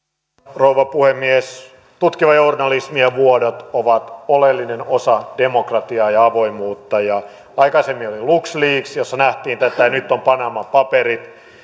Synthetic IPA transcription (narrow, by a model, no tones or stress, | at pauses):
rouʋɑpuhemːies | t̪ut̪kiʋɑjornɑlismiɑʋuodot̪oʋɑt̪olelːinenosɑd̥emokrɑt̪iɑːjɑɑʋoimuːt̪ːɑjɑ | ɑikɑsemːioliluksliːksjosːɑnæht̪iːnt̪æt̪æjnyt̪ːompɑnɑmɑpɑperit̪